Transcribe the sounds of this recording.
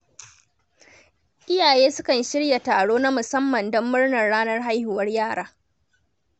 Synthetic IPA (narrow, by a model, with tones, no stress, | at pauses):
ʔɪ˦jaː˨jeː˦sʊ˦kɐ˨nʃɪ˦ɽja˨taː˨ɽoː˦na˦mʊ˨sɐ˦mːɐ˨ndɔ˦mːʊ˦ɽnɐ˨rɽaː˦nɐ˦rɦa˦jhʊ˨wɐ˦rjaː˦˨ɽaː˦